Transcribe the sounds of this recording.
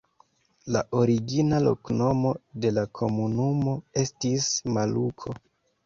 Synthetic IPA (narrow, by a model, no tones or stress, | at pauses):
laʔo̞ɾiɡinalo̞̰kno̞mo̞de̞lakʰo̞munumo̞e̞stismalukʰo̞